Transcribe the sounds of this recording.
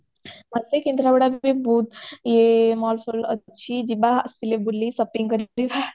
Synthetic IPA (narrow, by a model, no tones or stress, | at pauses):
masekind̪ɾabɐɽabbibud̪jemɔlfʰulət͡ʃʰid͡ʒibasilebulːisɐpːiŋkəɾɾiʋa